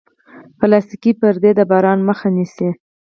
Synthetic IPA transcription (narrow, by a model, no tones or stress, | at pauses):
pəlɑst̪ikipəɾd̪ed̪əbɑɾɑnməxanisi